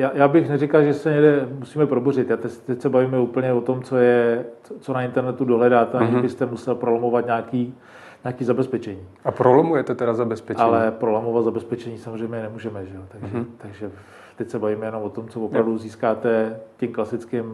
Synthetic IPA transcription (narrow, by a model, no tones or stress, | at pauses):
jaːjaːbɪxnɛrɪkalʒɛsɛɲɛɡdɛmusiːmɛpɾobor̝ɪt̪jat̪ɛt̪ɛcsɛbaviːmɛuːpl̩ɲɛvot̪o̞mt͡sojɛt͡sot͡sonaɪnt̪ɛɾnɛt̪udoɦlɛdaːt̪ɛaɛbɪst̪ɛmusɛlpɾolomovat̪ɲaːkiː | ɲaːkiːzabɛspɛt͡ʃɛɲiːapɾolomujɛt̪ɛt̪ɛdazabɛspɛʔalɛpɾolamovat̪zabɛspɛt͡ʃɛɲiːsamozr̝ɛjmɲɛnɛmuːʒɛmɛʒɛjot̪aɡʒɛt̪aɡʒɛ | t̪ɛcsɛbaviːmɛjɛnomvot̪o̞mt͡sovopɾavduziːskaːt̪ɛcɛmklasɪt͡skɪm